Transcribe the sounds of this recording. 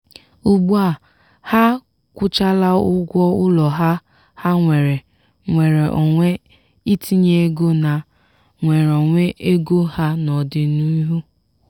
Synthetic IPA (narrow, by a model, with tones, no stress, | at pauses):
u˨ɡ͡bu˦a˨ | ha˦ | kʷʊ˦t͡ʃa˦la˦ʊ˦ɡʷɔ˦ʊ˦lɔ˨ɦa˦ | ha˦ŋʷe˨ɾe˨ | ŋʷe˨ɾe˨ʔɔ˨ŋʷe˦ | i˦tʰi˦ɲe˦ɡo˦na˨ | ŋʷe˨ɾɔ˨ŋʷe˦ʔe˦ɡo˦ha˦nɔ˨dɪ˨nu˦i˦ɦu˦